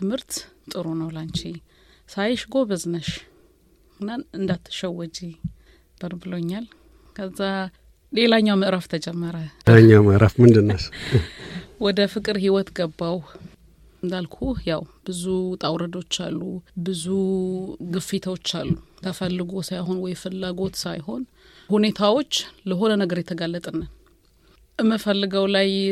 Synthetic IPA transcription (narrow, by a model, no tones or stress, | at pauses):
t̪ʰɨmhɨɾt̪t̪ʼɨɾonəwlant͡ʃi | sajʃɡo̞bəznəʃ | ɨnːaɨnd̪at̪ʰːʃɛwəd͡ʒi | b̥əɾbɨloɲːal | kʰəzːa | le̞laɲːawməʔɾaft̪ʰəd͡ʒɛmːəɾəaɲːawməʔɾafmɨnd̪ɨnːəs | wɔd̪əfɨkʼɨɾhiwɔt̪ɡəbːaw | nd̪alkʰujawb̥ɨzut̪ʼawɾəd̪o̞t͡ʃːa̰lːubɨzu | ɡɨfit̪ʰəwot͡ʃːalːut̪ʰəfəlːɨɡo̞sajɦo̞nwɔjfɨlːaɡo̞t̪sajho̞n | hune̞t̪ʰawo̞t͡ʃːləɦo̞nənəɡəɾjɛt̪ʰəɡalːət̪ʼənːən | ʔɨmːəfəlːɨɡəwlaj